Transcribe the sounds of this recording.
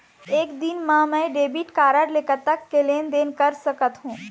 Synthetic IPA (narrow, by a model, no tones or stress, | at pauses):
eːkd̪ɪnmãmɛ̃ɖeːbiʈkaːɾəɖleːkət̪ːɐkːeleːnd̪eːnkɐɾsɐkət̪ɦũː